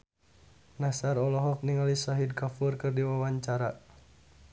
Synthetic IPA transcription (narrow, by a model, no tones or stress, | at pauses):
nasaɾɔlɔɦɔk̚niŋalisaɦid̚kafurkɨrdiwawaɲt͡ʃaɾa